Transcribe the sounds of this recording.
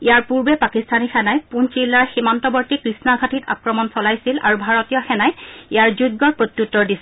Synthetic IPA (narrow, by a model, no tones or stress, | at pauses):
ijaɹpuɹbɛpakistʰanixɛnajpunt͡ʃilːaɹximantɔbɔɹtikɹisnaɡʱatitʰa̰kɹɔmɔnsɔlajsila̰ɹubʱaɹɔtijɔxɛnajijaɹzud̚ɡɔɹpɹotjutːɔɹdisi